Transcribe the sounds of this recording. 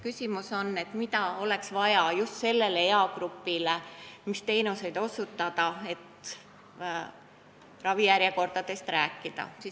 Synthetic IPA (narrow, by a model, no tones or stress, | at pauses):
kysʲimuso̞nːe̞t̪mit̪ɑo̞le̞ksvɑjɑjust̪se̞lːe̞leeɑɡɾupːilemist̪e̞jnuse̞jd̪̥o̞sut̪ːˑɑd̪̥ɑe̞t̪ | rɑvijæɾjeko̞rd̪̥ɑd̪e̞st̪ræːkˑːid̪̥ɑ̰si